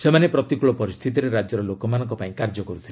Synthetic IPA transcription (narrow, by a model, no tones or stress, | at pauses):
semanepɾɔt̪ikuɭɔpɔɾist̪ʰit̪iɾeɾad͡ʒɔɾɔlokɔmanɔ̃ŋkɔpaĩkaɾd͡ʒɔkɔɾut̪ʰile